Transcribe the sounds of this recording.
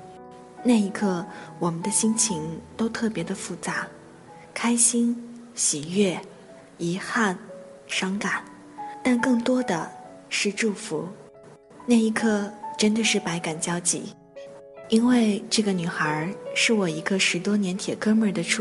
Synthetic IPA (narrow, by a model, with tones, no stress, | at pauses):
na˥˩ɪi˧˥kʰɤ˥˩wɔ˨˩mə˦nd̪ə˧ɕi˥nt͡ɕʰi˧˥ŋt̪o˥ʊt̪ʰɤ˥˩pjɛ˧˥d̪ə˧fu˥˩t͡sa˧˥ | kʰa˥ɪɕi˥n | ɕi˨˩ɥɛ˥˩ | i˧˥xa˥˩n | ʂɑ˥ŋka˨˩˦n | t̪a˥˧nkɤ˥˩ŋt̪wɔ˥d̪ə̰˨ʂɻ̩˥˧ʈ͡ʂu˥˩fu˧˥ | na˥˩i˧˥kʰɤ˥˧˩ʈ͡ʂə˥nd̪ə˨ʂɻ̩˥˩pa˧˥ɪka˨˩nt͡ɕjɑ˥ʊt͡ɕḭ˧˥ | i˥nwe˥˧ɪʈ͡ʂɤ˥˩ɡə˩ny˨˩xə˞˧˥ʂɻ̩˥˩wɔ˨˩i˧˥ɡə˧ʂɻ̩˧˥t̪wɔ˥njɛ˧˥nt̪ʰjɛ˨˩kɤ˥mə˞˥˧˩d̪ə˧ʈ͡ʂʰ